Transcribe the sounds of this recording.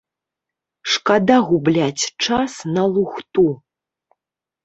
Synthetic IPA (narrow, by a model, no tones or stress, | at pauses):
ʂkad̪aɣublʲat͡sʲt͡ʂasnɐlˠuxt̪u